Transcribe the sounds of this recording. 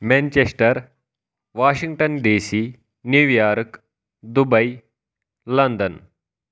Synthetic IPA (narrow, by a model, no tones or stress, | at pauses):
mɛ̃nt͡ɕesʈəɾ | ʋaːɕiŋɡʈənɖiːsiː | niʋjaɾk | d̪ubəj | lənd̪ən